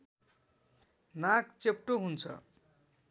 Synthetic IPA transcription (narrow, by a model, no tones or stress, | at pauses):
nakt͡sep̚ʈoɦunt͡sʰʌ̰